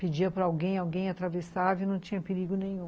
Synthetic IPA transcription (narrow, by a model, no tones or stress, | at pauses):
ped͡ʒiɐpɾɐawɡẽj̃awɡẽj̃at̪ɾavesavʊnɐ̃w̃t͡ʃĩɲɐpeɾiɡʊnẽj̃ũ